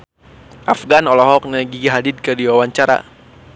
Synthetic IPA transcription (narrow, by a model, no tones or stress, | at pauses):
ʔafɡanɔlɔɦɔk̚nəɡiɡiɦadɪd̚kərdiwawaɲt͡ʃaɾa̰